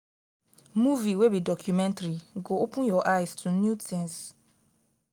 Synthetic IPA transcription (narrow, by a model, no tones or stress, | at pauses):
muviwebidɔkʰjumɛ̃ntɾiɡoopʰũjɔʔajstʰunjutʰɛ̃ns